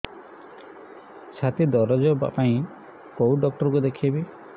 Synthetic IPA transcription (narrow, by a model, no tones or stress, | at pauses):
t͡ʃʰat̪id̪ɔɾɔd͡ʒɔba̰paĩ | kowuɖɔk̚ʈɔɾkud̪ekʰebi